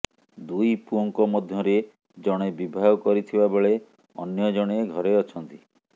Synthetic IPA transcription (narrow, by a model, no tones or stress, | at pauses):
d̪ujpuɔŋkɔmɔd̪ʱjɔɾe | d͡ʒɔɽ̃ebibʱaɔkɔɾit̪ʰibabeɭe | ɔ̰njɔd͡ʒɔɽ̃eɡʱɔɾeɔt͡ʃʰɔnt̪i